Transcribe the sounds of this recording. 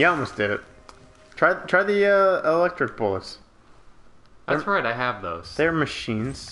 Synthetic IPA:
jalˠmoʊsd̥ɪɾɪt̚ | tʰɹ̥aɪtʰɹ̥aɪðiʌɪlɛk̚tɹ̥ɨk̚b̥ʊlˠəts | ðsɹaɪɾaɪɨvðoʊz̥ðə˞mɨʃĩnz̥

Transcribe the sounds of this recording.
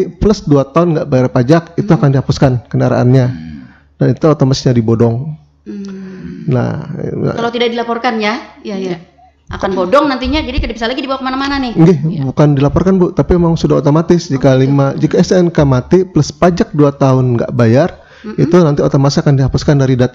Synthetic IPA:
pləsduat̪aʊnŋɡaʔbajarpad͡ʒakit̪uakandihapʊskankənaɾa̰ʔa̰nɲa | danit̪uot̪omat̪ɪ̥sɲadibodɔŋ | na̰kalawt̪idak̚dilapɔrkanjajaja | ʔakanbodɔŋnant̪iɲad͡ʒadikadabisalaɡidibawakəmanamananɪhŋɡɛhbukandilapɔrkanbut̪apimemaŋsudaɦot̪omat̪ɪsd͡ʒikalimad͡ʒikaɛsɛnkamat̪ipləspad͡ʒak̚duat̪aʊnɡa̰ʔbajar | it̪unant̪iot̪omat̪sakandiɦapʊskandaɾidat̪

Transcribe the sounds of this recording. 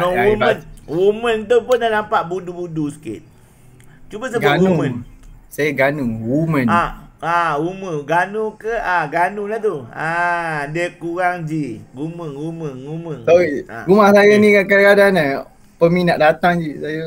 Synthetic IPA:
aumənwumənt̪̬upʊnːaʔnampaʔbudubudusə̥kɪ̰t̪̚ | t͡ʃubas̬aɡaumsajaɡanuŋwumə̃naauməɡanukəaɡanuŋlat̪uadəkuɾaŋd͡ʒiɡuməŋuməŋuməŋsɔwiɾumahsajanĩkakakadana | pəmĩnaʔdat̪aŋd͡ʒisaja

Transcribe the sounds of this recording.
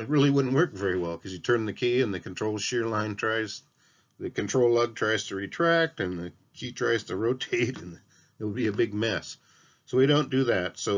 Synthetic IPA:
ɨt̚ɹɪlˠiwʊdⁿn̩ʔ̚wɜ˞kvɛɹiwɛlˠkʰʌzjɨtʰɜ̃˞nðɨkʰiɨ̃nðɨkʰn̩tʰɹ̥oʊlˠʃɪɹlãɪ̃ntʰɹ̥aɪz | ðɨkɨ̃ntʰɹ̥oʊlʌɡ̚tʰɹ̥aɪz̥tʰɨɹitʰɹ̥æk̚tɨ̃nðɨ | kʰitʰɹ̥aɪz̥tʰɨɹoʊtʰeɪɾɨ̃n | ɨt̚wəd̚biɨbɪɡ̚mɛs | soʊiɾõʊ̃nd̥ɨðɨtsoʊ

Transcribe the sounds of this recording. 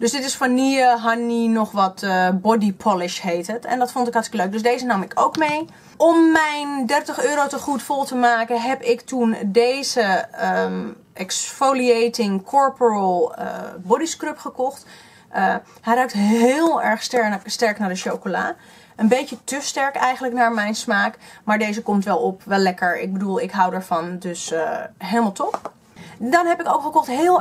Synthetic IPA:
døsdɪtɪsfɔnːiəɦaninɔχʋɑtbɔdipʰɔlɪʃɦejtətɛ̰ndɑtfɔntɪkɦɑɹstɪkəløɥk̚dʏsdejzənɑmɪkʰo̰wkmej | ɔmːɛjndɛrtəχøːɾowtəχutfɔlˠtəmaːkəɦɛpɪktundejzə | ʔɛksfoliejtɪŋkʰɔɹpəɹəl̰ˠbɔdiskrɵpχəkɔχt | ɛjraɥk̚tɦɦɪːlˠɛɹχstɛstɛɹknaːɹdəʃowkola̰ː | ənbejtətɵstɛɹkɛjχənləknaːɹmɛjnsmaːkmaːɹdejzəkɔmtʋɛlˠɔpʋɛlːɛkəɹɪ̰ɡ̚bədulˠɪkɦʌwdaɹv̥ɑndɵsɦejləmalˠtɔp | dɑnɦɛpɪkowkχəkɔχtɦɪlˠ

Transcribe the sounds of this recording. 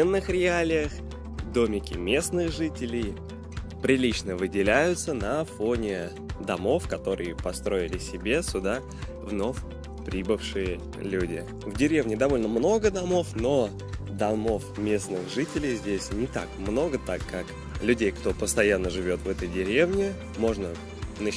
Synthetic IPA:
enːɨxɾʲɪalʲɪjəx | d̪o̞mʲɪkʲɪmʲe̞snɨxʐɨtʲɪlʲɪj | pɾʲɪlʲit͡ɕnəvɨdʲɪlʲæjʊt̪sənɐfo̞nʲɪ | d̪ɐmo̞fkɐt̪o̞ɾɨjəpɐst̪ɾo̞ɪlʲɪsʲɪbʲe̞sʲʊd̪a | vno̞fʲ | pɾʲibɨfʂɨjə | lʲudʲɪ̰ | vdʲɪɾʲe̞vnʲɪd̪ɐvo̞lʲnəmno̞ɡəd̪ɐmo̞fno̞ | d̪ɐmo̞fmʲe̞snɨxʐɨtʲɪlʲɪjzʲdʲesʲnʲɪt̪a̰kmno̞ɡət̪akːak | lʲʉdʲejkt̪o̞pəst̪ɐjanːəʐɨvʲo̞t̪vɛt̪əjdʲɪɾʲe̞vnʲɪ | mo̞ʐnə | nə

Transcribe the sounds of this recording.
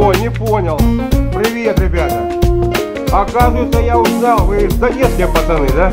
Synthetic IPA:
onʲɪponʲəlˠpɾʲɪʋʲet̪ɾʲɪbʲat̪ə | ɐkazʊjɪt̪səjaʊznalˠvɨzɐnʲeskʲɪjəpɐd̪ɐnɨd̪a

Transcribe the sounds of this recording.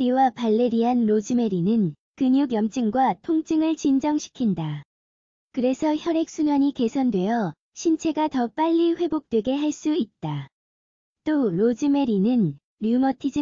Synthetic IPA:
iwapaɭːe̞ɾiɦanɾod͡ʑime̞ɾinɯn | kɯɲuɡjʌmt͡ɕ͈ɯŋɡwatʰoŋt͡ɕ͈ɯŋɯɭt͡ɕind͡ʑʌŋɕʰi̥kʰinda | kɯɾe̞sʰʌçjʌɾe̞k̚s͈unwaɲike̞sʰʌndwe̞jʌ | ɕʰint͡ɕʰe̞ɡatʌp͈aʎːiɸwe̞bok̚t͈we̞ɡe̞ɦaɭs͈uit̚t͈a | t͈oɾod͡ʑime̞ɾinɯn | ɾjumʌtʰid͡ʑi

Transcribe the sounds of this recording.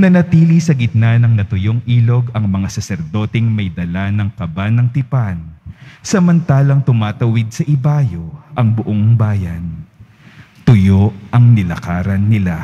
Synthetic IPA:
nɐnɐt̪iːlisɐɡɪt̪̚nanɐŋnɐt̪ʊjoŋʔiːlo̞ɡɐŋmɐŋasɐsɛɾd̪o̞ːt̪ɛŋmɐjd̪ɐlanɐŋkɐbanɐŋt̪ɪpansɐmɐnt̪aːlɐŋt̪ʊmaːt̪ɐwɪd̪̚sɐʔɪbaːjo̞ʔɐŋbʊʔoŋbaːjɐn | t̪ʊjoʔɐŋnɪlɐ̰kaːɾɐnːɪla

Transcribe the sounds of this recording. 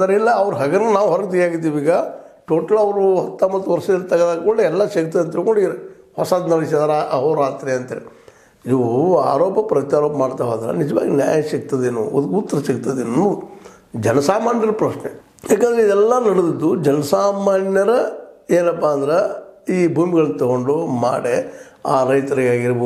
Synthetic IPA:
d̪ɐɾilːɐːʋɐɾuɦɐɡɐnːunaːʋuɦɔɾɐkt̪ijaːɡid̪iːʋiːɡaʈoːʈɐlɐʋɐɾuɦɐt̪ːɐmɐt̪ːuʋɐɾʂɐɐlt̪ɐɡɐd̪aːkoɳeɛlːɐʃɐk̚t̪ɐɐnt̪ikoɳɖiɾe | hɔsaːd̪nɐɽis̬d̪ɐɾɦoːɾaːt̪ɾeɐnt̪eːɾi | id̪ua̰ːɾoːpɐpɾɐt̪jaːɾoːpɐmaːɽt̪aːɦoːd̪ɐɾɐ̰nid͡ʒɐʋa̰ːɡinja̰ːjɐʃɐk̚t̪ɐd̪eːnṵɔd̪ukut̪ːɐɾɐʃɐkt̪ɐd̪eːnu | d͡ʒɛnɐsaːmaːnjɐɾɐpɾɐʃne | jaːkɐnd̪ɾeid̪ɛlːɐnɐɽud̪id̪ːud͡ʒɛnɐsaːmaːnjɐɾɐeːnɐpːaːnd̪ɐɾeiːbʱuːmiɡɐɭnt̪ɔɡoɳɖuma̰ːɽe | aːɾɐjt̪ɐɾiɡaːɡiɾɐb

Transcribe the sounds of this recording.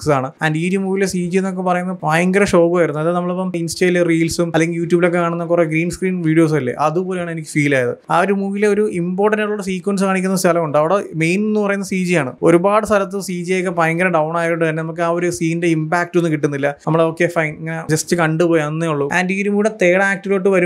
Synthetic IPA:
ksaːɳɨaːnɖiːɾumuːɣilesiːd͡ʑijenːokːepɐrɐjunːɐpaːjɐŋɡɐɾɐʂo̞ːɣaːjiɾunːuɐlːɐnɐmːɐɭopːɐminsteleriːlsumɐlːeŋɡiljuːtːjuːbilo̞k̬ːe̞kaːɳunːɐkːureɡɾiːnskriːnʋiːɖijo̞ːs̬ɐlːḛʔɐðupo̞ːlejaːɳe̞nikʲːɨ̥fiːlaːjɐðɨ̰aːoɾumuːɣileoɾuimbo̞ːʈːɐndaɭːuɽes̬iːkwɐnskaːɳikʲːunːɐsaːlɐmkːuɳɖɨɐʋiɽeme̞jnenːupɐrɐjunːɐsiːd͡ʑijaːɳɨ̰o̞ɾubaːɽɨst̪ʰɐlɐt̪̬ːɨsiːd͡ʑijokːepaːjɐŋɡɐɾɐɖɐwɳaːjiɾuɳɖɨt̪ɐnːeɐmuk̬ːɨaːo̞ɾusiːnde̞imbaːk̚ʈːo̞nːukiʈːunːilːɐnɐmːɐɭeoːkːe̞fɐjnɐŋːɐned͡ʑɐstːɨkɐɳɖupoːjɐnːeuɭːuaːndiːɾumuɽet̪e̞ːɽɐaːk̚ʈːɨlo̞ːʈːɨʋɐɾum

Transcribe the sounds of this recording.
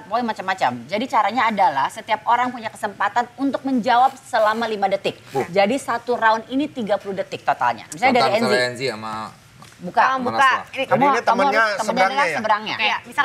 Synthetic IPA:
poiŋmat͡ʃamːat͡ʃa̰md͡ʒadit͡ʃaɾaɲaːdalahsət̪iap̚oɾaŋpuɲakə̥səmpat̪anunt̪ʊk̚məɲd͡ʒawap̚səlamalimadət̪ɪk̚d͡ʒadisat̪uɾaʊninit̪iɡapuludət̪ɪk̚t̪ot̪a̰lɲa̰misaɲadaɾiɛnziɛnziama | bukabukainikamuamkəpənaɾkasəbəɾaŋɲa̰misa

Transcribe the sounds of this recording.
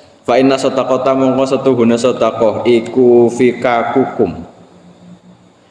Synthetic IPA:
faʔinasɔt̪akɔt̪amɔŋkɔsət̪uɦṳnesɔd̪a̤kɔhikufikakukʊm

